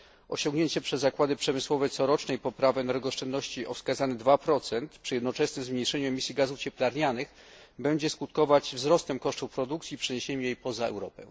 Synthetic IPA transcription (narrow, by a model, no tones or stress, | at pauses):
ɔ̰ɕɔ̃ŋɡɲeɲt͡ɕɛpʂɛzːakwad̪ɘpʂɛmɘswɔvɛt̪sɔɾɔt͡ʂnɛjpɔpɾavɛɛnɛɾɡɔʂt͡ʂɛnd̪nɔɕt͡ɕiʔɔfskazanɛd̪vapɾɔt̪sɛnt̪pʂɘjɛd̪nɔt͡ʂɛsnɘmzmɲejʂɛɲuɛmʲisʲjiɡazuft͡ɕɛplaɾɲanɘx | bɛɲd͡ʑɛskut̪kɔvad͡ʑvzɾɔst̪ɛmkɔʂt̪ufpɾɔd̪ukt̪sʲiːpʂɛɲeɕeɲujejpɔzaɛ̰wɾɔpɛ̰̃